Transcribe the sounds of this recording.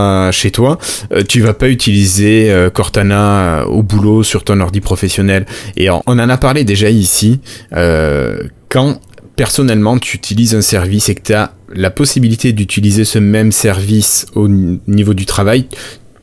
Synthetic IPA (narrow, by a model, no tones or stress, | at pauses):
ʃet̪waø̰t̪yvapayt̪ʰilizeøkɔʁt̪anaø̰ø̰obulosyʁt̪ɔ̃nɔʁd̪ipχɔfɛsjɔnɛlḛɔ̰̃ʔːnɑ̃napaʁled̪eʒaisiø̰ | kɑ̃ | pɛʁsɔnɛlmɑ̃t̪ʰyːt̪ʰilizɛ̃sɛʁvisekə̥t̪ya | lapɔsibilit̪ed̪yt̪ʰilizesəmɛmsɛʁvisonivod̪yt̪χavaj